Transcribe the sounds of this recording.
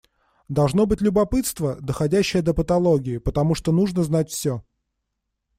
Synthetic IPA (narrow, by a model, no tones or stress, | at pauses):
d̪ɐlˠʐno̞bɨtʲlʲʊbɐpɨt̪st̪vəd̪əxɐdʲæɕːɪjəd̪əpət̪ɐlˠoɡʲɪɪpət̪ɐmuʂt̪onuʐnəznat̚ʲfsʲo